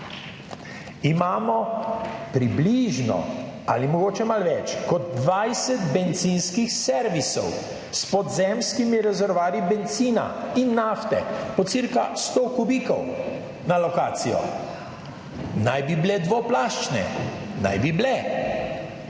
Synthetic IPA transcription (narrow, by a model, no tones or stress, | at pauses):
imaːmɔ | pɾibliːʒnɔ̰a̰limɔɡoːt͡ʃɛmalʋɛt͡ʃkɔd̪̚ːʋajsɛt̪bɛnt̪zinskixsɛɾʋisɔ̰w | spɔd̪zɛmskimiɾɛzɛɾʋaːɾibɛnt̪siːna̰inːaft̪ɛpɔt̪siɾkast̪okubiːkɔw | nalɔkaːt̪sijɔ̰ | najbiblɛd̪ʋɔplaːʃt͡ʃnɛ̰ | na̰jbiblɛ